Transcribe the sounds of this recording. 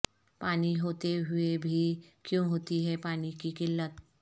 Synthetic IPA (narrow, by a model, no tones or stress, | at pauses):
paɽ̃iɦot̪eɦuebʱiːkjũɦot̪iɦepaɽ̃ikiːkilːət̪